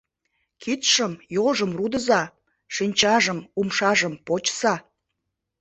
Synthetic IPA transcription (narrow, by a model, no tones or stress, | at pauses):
kit̪ʃəmjoʒəmrud̪əzɑ | ʃinʲt͡ɕɑʒəmumʃɑʒəmpot͡ɕsɑ